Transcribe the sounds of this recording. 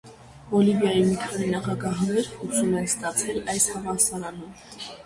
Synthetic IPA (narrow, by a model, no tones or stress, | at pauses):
vɔlivjɑjimikʰɑninɑχɑɡɑɦnɛɾχusumɛnst̪ɑt͡sʰɛlɑjshɑvɑsɑɾɑnum